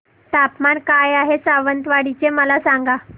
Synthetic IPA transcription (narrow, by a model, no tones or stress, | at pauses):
t̪apmankajaɦesaʋənt̪ʋaɽit͡seməlasaŋɡa